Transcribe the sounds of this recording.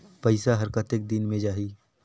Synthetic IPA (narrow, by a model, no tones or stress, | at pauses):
pɐɪsaɦɐɾkət̪ɪk̚d̪ɪnmẽd͡ʒaːɦiː